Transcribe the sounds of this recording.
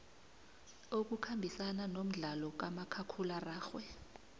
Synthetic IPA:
ok̬ukʰambʱisananom̩ɮalɔk̬amakʰakʰularaːxwɛ

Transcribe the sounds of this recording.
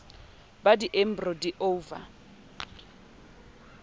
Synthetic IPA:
badiʔem̩brɔdiʔoːva̰

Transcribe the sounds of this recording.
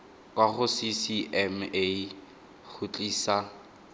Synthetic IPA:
kʼwaχʊsisiʔɛme | χut͡ɬʼiːsa

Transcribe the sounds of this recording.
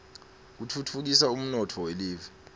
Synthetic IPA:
k̬utʰutʰuk̬isaum̩nɔtʰɔweliːvɛ

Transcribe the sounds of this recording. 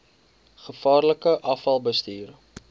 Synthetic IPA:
χəfɑːrləkəʔɐfɐlˠbəstiːr

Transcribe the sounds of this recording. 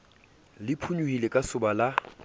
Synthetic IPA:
lɪpʰuɲuhilekʼasʊbala

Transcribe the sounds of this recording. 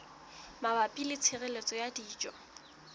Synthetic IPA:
mabapʼilɪt͡sʰɪrelet͡sʼɔjadiːt͡ʃʼɔ

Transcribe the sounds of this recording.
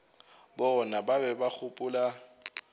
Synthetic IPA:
bɔnababɛbak͡xʰʊpʼʊla

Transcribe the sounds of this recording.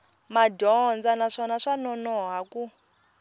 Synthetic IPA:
madʱɔnd͡zanaʂɔnaʂanɔnɔɦaku

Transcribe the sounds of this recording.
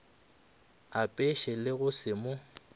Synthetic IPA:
apʼɛʃɛlɪɣʊsɪmʊ

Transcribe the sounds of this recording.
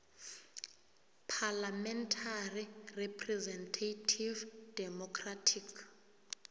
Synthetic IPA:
pʰalamɛntʰarirɛpʰʼrɛzɛntʰatʰivd̥ɛmɔkʰratʰikʰ

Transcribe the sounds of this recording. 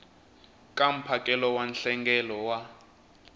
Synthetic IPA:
kʼam̩pʰakʼɛlɔwanɬɛŋɡɛlɔwa

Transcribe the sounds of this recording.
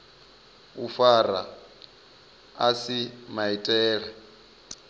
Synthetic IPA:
ufara̰ | asimaitʼɛːɺɛ

